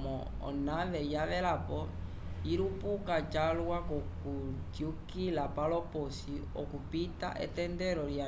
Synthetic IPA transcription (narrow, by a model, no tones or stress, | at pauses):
mɔ | ɔ̰naʋɛjaʋɛlapɔ | iɾupukat͡ʃalwakɔkud͡ʒiukilapalɔpɔsi | ɔ̰kupita̰ʔɛ̰tɛndɛɾɔlja